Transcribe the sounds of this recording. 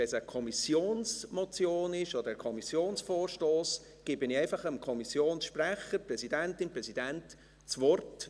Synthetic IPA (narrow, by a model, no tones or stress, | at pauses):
ɛsəkʰɔmisjoːnsmɔt͡sjoːnɪʃɔd̪əɾɛkʰɔmisjoːnsfɔːrʃtoːs | ɡ̥ɪbɪnɪɛɪfɑχəmkʰɔmisjoːnsʃpræχəɾprɛsidæntɪnprɛsid̥ænt | t͡svɔrt